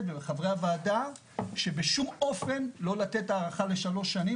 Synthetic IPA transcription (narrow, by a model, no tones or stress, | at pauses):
tvebeχavʁeavaːda | ʃe̞beʃumo̞fe̞nlo̞lat̪e̞taːʁaχale̞ʃalo̞ʃːani